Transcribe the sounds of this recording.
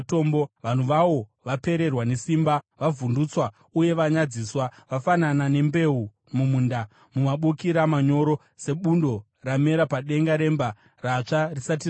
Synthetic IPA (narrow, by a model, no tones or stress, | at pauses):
to̞mboʋan̤uʋaʋo̞ʋape̞ɾe̞rwane̞simba | ʋavundut͡swa | uje̞ʋaɲad͡ziːswaʋafananane̞mbe̞u | mumuːnda | mumaɓukiɾamaɲo̞ɾo̞ | se̞ɓundo̞ | rame̞ɾapaɗe̞ŋɡaɾe̞mba | rat͡ʂarisat̬i